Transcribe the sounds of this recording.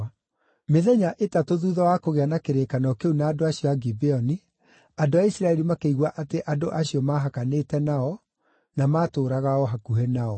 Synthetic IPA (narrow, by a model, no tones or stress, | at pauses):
meðɛɲaʔetatoðuðɔwakoɣeanakeɾekanɔkeunaːdoaɕiɔaɡibeɔni | andoaisɾaɛɾimakeiɣwaʔateʔadoʔaɕiɔmaɦakanetɛnaɔ | namaːtoːɾaɣaɔɦakuɦɛnaɔ